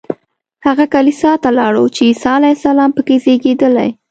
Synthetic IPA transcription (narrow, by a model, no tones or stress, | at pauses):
haɣakalisɑt̪alɑɽot͡ʃeisɑalajsalɑmpəkezeɡed̪əla̰j